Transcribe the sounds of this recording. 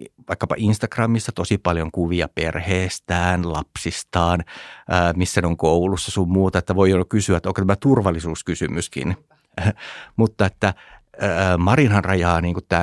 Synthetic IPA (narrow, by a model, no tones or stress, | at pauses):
ʋɑikːɑpɑ̰ʔinst̪ɑkrɑmːist̪ɑt̪osipɑljoŋkuʋiɑperheːst̪æːnlɑpsist̪ɑːnː | misːæneoŋkoulusːɑsummuːt̪ɑet̪ːæʋoionokysyæt̪ːoŋkot̪æmæt̪urʋɑlːˑisuːskysymyskḭn | mut̪ːɑet̪ːæ | mɑrinɑnrɑjɑːniːŋkutt̪æː